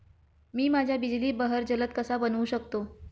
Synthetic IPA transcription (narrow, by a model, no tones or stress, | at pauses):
miːmad͡ʑʱjabid͡ʑliːbəɦəɾd͡ʑələt̪̚kəsabənuɕəkt̪o